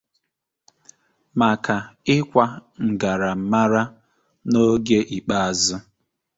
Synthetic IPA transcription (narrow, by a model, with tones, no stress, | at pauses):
ma˨ka˨ɪ˦kʷa˨ŋ̩˨ɡa˨ɾa˨m̩˨ma˦ɾa˦ | no˦ɡe˦ʔi˨k͡pa˦a˨zʊ˦